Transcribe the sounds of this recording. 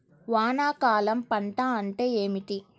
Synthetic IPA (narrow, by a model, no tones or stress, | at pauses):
ʋaːnaːkaːlɐmpɐɳʈaːɐɳʈe̞ːeːmiʈi